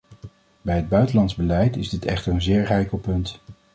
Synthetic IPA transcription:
bɛjɦəd̚bœɥtəlɑntzbəlɛjtɪzdɪtɛ̰χtəɹənzɪːɹrɛjkəlˠpɵnt

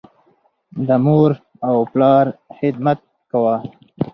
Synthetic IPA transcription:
d̪əmoɾ | awplɑɾhɪd̪̚mat̪̚ | kawa

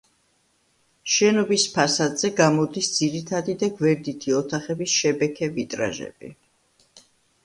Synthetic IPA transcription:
ʃɛnɔbispʰasad̪z̥ɛɡamɔd̪isd̪z̥iɾit̪ʰad̪id̪aɡvɛɾd̪it̪ʰiɔt̪ʰaχɛbisʃɛbɛkʰɛvit̪ʼɾa̰ʒɛ̰b̥ḭ

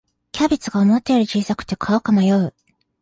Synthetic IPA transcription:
kʲabʲit͡sɨɡaomot̪ːeiɾɯ̟t͡ɕiːsakɯ̟̥t̪ːekʰaokamajoi

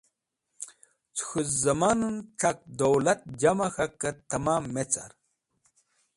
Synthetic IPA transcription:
t͡sʰxuzɐmannʈ͡ʂʰɐk̚d̪owlɐt̪̚d͡ʑɐmɐxɐkːɐt̪ɐmamːet͡sa̰ɾ

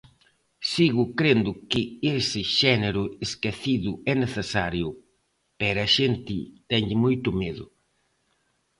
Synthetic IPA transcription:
siɣʊkɾend̪ʊkɪesɪʃɛneɾʊeskeθiðʊɛneθesaɾjʊ | pɛɾɐʃent̪ɪt̪ɛɲʎɪmojt̪ʊmeðʊ̰

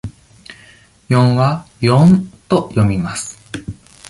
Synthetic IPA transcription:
jõ̞ɰ̃βajõnt̪o̞jo̞mʲimasɨ̥

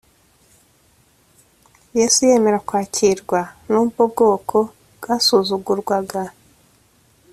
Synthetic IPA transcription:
jesuje̞ːme̞ɾakwaːcʰiɾɡwanububɡo̞ːkʰo̞ | bɡ̥asuzuɡuɾɡwaɡa

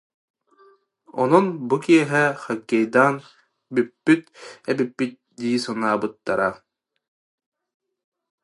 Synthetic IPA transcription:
ɔ̰nɔnbukiɛɦɛχaɡːɛjd̪aːn | bypːyt̪̚ɛbipːit̪̚ | d̪iːsɔnaːbɯt̪ːaɾa

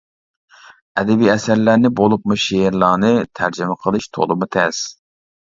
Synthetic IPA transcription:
ɛd̪ɛbijɛsæɾlæɾnɪbolˠupmuʃeɾlˠɑːnɨt̪ʰæɾd͡ʒɪmɛqʰəlˠɨʃt̪ʰo̰lˠɨmut̪ʰɛs

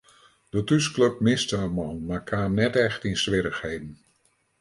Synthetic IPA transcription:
d̥ətysklɵp̚mɪstəəmɑnmaːɹkʰaːmnɛtɛχtɪnsʋɪːɾəχhejdən

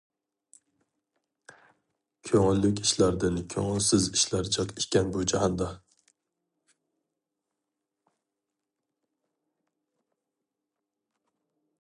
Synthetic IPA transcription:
kʲʰøŋɪlːykʲiʃlæɾd̪ɪnkʲʰøŋɪlsɪziʃlæɾt͡ʃʰɑt̪ʰiʃkʲɛnbud͡ʒɑhɑnd̪ɑ

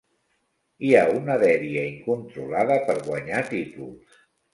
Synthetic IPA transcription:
iaunəðɛɾiəiŋkunt̪ɾulaðəpəɾɣwəɲat̪it̪ulˠs

